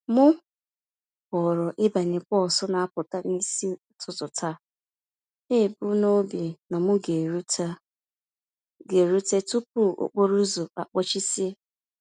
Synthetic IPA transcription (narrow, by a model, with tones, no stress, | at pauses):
mʊ˦ | pɔ˨ɾʊ˨ʔɪ˦ba˨nɪ˨kɔ˦˨sʊ˦na˨a˦pʊ˨ta˦ni˦si˦˨˦tʰʊ˨tʊ˨tʰa˦ | ɪ˦˨bʊ˦no˦bi˨na˨mʊ˦ɡe˨ɾu˦ta˦ | ɡe˨ɾu˦te˦tu˦p̚u˦˨ʔo̰˨k͡po˦ɾu˦zʊ˨a̰˨k͡pɔ˦t͡ʃi˦si˦e˦